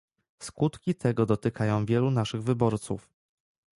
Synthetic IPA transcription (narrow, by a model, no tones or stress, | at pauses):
skut̪kʲit̪ʰɛɡɔd̪ɔt̪ɘkʰajɔ̃w̃vʲjɛlunaʂɘɣvɘbɔɾt̪sṵf